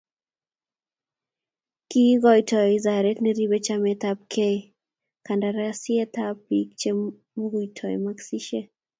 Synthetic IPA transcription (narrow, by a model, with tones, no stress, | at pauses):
ki˦ɡɔ˦jtʰɔ˨izaɾɛ˦t̪neɾi˦be˦t͡ʃamɛt̪ap̚kʰe | ka˨nda˨ɾɛasɪɛ˦t̪apikt͡ʃe˦ | moɡu˨tʰɔ˨jmaksi˦ʃe˦